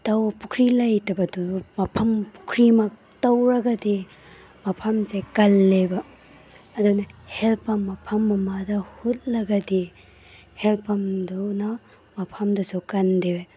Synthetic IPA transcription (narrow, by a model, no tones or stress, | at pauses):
tawpukʰɾilajtɐbɐdumɐpʰɐmpu̥kʰɾimak̚ | tawɾɐɡɐdi | mɐpʰɐmzajkɐlːebɐː | dunɐhelpɐmːɐpʰɐmːɐmadɐhut̚lɐɡɐdi | helpɐmduna | mɐpʰɐmdɐsokɐndewe